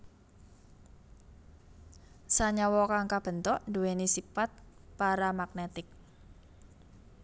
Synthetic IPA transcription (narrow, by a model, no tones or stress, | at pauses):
saɲawɔkaŋkab̥ə̤nt̪ɔʔduwenisifat̪̚ | paɾamak̚net̪ɪk̚